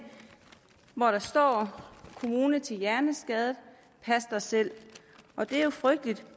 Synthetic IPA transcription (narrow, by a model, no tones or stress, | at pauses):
ʋɒɾ̥ɑ̈sd̥ɒ̰ːkʰo̝muːnət͡sʰe̝ljæɐnəsɡ̥ɛð̞ˠð̩ˠ | pʰæsd̥ɑsel̰ | ʔɒ̽d̥e̝æjo̝fʁœɡ̥̚d̥lid̥